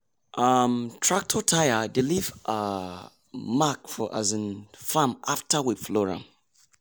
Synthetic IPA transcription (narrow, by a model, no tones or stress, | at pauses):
ʔamtʰɹak̚tʰɔtʰajadɪlivʔa | makfɔʔazə̃nfãmaftʰawiflɔɹã̰